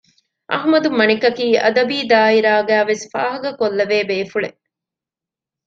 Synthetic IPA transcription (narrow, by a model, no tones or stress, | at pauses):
ʔɐ̰ɦmɐd̪umɐnikɐkiːʔɐd̪ɐbiːd̪aːiɾaːɡæːʋesi̥faːɦɐɡɐkolːɐʋeːbeːfuɭḛ